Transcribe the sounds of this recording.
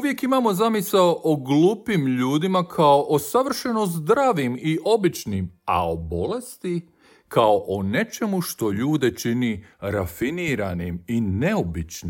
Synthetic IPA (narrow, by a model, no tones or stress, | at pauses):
uʋje̞kimaːmo̞zamisaoʔoɡluːpimʎuːd̪imakʰaoʔosaʋr̩ʃe̞no̞zd̪ɾaːʋimiʔo̞bit͡ʃnima̰obo̞le̞st̪i | kao̞ʔone̞t͡ʃe̞muʃt̪o̞ʎuːd̪e̞t͡ʃiniɾafiniːɾanimine̞o̞bit͡ʃni